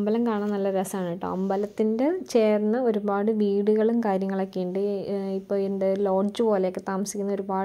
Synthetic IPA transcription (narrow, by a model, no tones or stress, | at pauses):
ɐmbɐlɐmkaːɳanːɐlːɐɾɐsɐaːɳʈːɐ̰ɐ̰mbɐlɐt̪ːindet͡ɕe̞ːrnːɐo̞ɾubaːɽɨʋiːɽuɣɐɭumkaːɾjɐŋːɐɭɐkːeːɳɖɨipːoːendelo̞ːɖd͡ʑɨbo̞ːleokːɨt̪aːmɐsi̥kʲːunːɐo̞ɾubaː